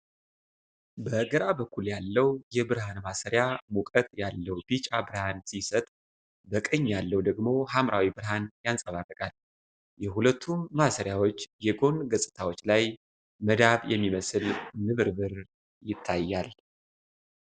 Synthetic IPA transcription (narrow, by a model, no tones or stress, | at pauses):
bəɡəɾabəkʰʷːuljalːəwjɛbɨɾɦanmasəɾjamukʼət̪ʼjalːəwb̥it͡ʃʼabɨɾhansisət̪ʼ | bəkʼəɲːjalːəwd̪əɡmo̞ɦamɾʔawibɨɾɦanjansʼəβarːəkʼal | jɛɦulət̪ʰːunmasəɾjawot͡ʃːjɛɡo̞nɡəsʼɨt̪ʰawo̞t͡ʃːlaj | məd̪aβjɛmːiməsɨlnɨβɨɾbɨɾ | jɪt̪ʰːajːal